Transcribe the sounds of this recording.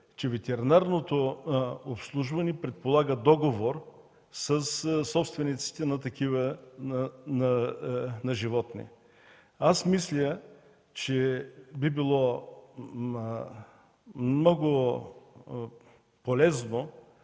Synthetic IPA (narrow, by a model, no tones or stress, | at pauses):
t͡ʃɛvɛt̪ɛɾinaɾnot̪oopslˠuʒvɐnɛpɾɛt̪̚polˠaɡəd̪ɔɡovoɾ | sɐssɔpst̪vɛnit̪si̥t̪ɛnɐt̪ɐkʰivə | nɐnɐʒivɔt̪nḭ | asmislʲə | t͡ʃɛbibilˠɔ | mnɔɡʊ | polɛzno